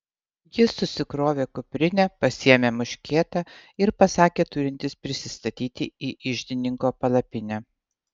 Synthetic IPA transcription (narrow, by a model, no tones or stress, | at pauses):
jɪsʊsʲɪkɾoːʋʲeːkʊpʲɾʲɪnʲɛpɐsʲiɛmʲeːmʊʃʲkʲeːt̪ɑɪɾpɐsɑːkʲeːt̪ʊɾʲɪnʲt̪ʲɪspʲɾʲɪsʲɪst̪ɐt̪ʲiːt̪ʲɪiːʔɪʒʲd̪ʲɪnʲɪŋkoːpɐlˠɐpʲɪnʲɛ